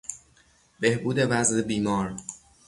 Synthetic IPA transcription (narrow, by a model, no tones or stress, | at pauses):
be̞hbuːd̪e̞væzebiːmɒːɾ